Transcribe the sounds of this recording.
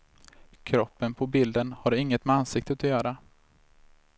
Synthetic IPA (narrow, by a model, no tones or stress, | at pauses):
kʰɾɔpːənpʰɔbɪld̪ənhaɾɪŋːət̪mɛansɪk̚t̪ət̪ɔjœːɾa